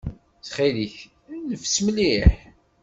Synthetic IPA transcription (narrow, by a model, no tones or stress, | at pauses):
t͡sχiliç | nəfsməliħ